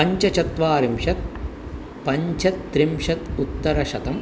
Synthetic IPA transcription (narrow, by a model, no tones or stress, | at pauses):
ɐɲt͡ʃɐt͡ʃɐt̪ʋaːɾimʃɐt̪̚ | pɐɲt͡ʃɐt̪ːɾimʂɐt̪ut̪ːɐɾɐʃɐt̪ɐm